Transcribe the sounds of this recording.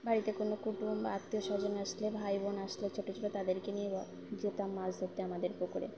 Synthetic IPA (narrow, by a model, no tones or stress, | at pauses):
baɾit̪ekonokuʈumbaat̪ːioʃɔd͡ʑonaʃlebʱajbonaʃlet͡ɕʰoʈot͡ɕʰoʈot̪ad̪eɾkenie | d͡ʑet̪amːazɦot̪ːeamad̪eɾpokoɾḛ